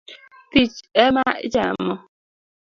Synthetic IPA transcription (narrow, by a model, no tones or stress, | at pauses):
tit͡ʃemaɪ̰d͡ʒamɔ